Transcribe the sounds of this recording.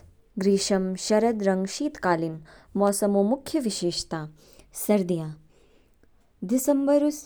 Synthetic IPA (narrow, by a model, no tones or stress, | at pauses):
ɡɾiːʃɐmʃɐɾɐd̪ɾɐŋɡʃiːt̪kaːlin | mɔːsɐmoːmukʰjɐʋiʃeːʃt̪aː | sɐɾd̪ijaː | d̪isɐmbɐɾus